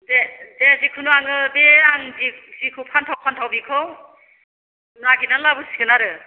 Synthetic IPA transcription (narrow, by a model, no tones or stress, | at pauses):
dedezikʰɯnuaŋɯbeaŋzizikʰɯwpʰantʰawpʰantʰawbikʰɔw | naɡinalabɯsi̥ɡɯnaɾɯ